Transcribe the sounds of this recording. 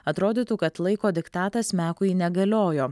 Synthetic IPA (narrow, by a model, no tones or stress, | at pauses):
ɐt̪ɾoːd̪ʲiːt̪uːkɐt̪lˠɐɪkoːd̪ʲɪkt̪ɑːt̪ɐsmʲæːkʊinʲɛɡɐlʲoːjoː